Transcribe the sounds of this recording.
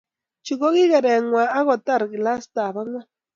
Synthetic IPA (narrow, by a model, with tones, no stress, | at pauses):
t͡ʃi˨ko˦ɣi˦ɣa˨ɾe˨ŋwʷa˨a˦ɣʷa˨t̪a˦ɾɡi˨la˦st̪a˨βa˦ŋwa˦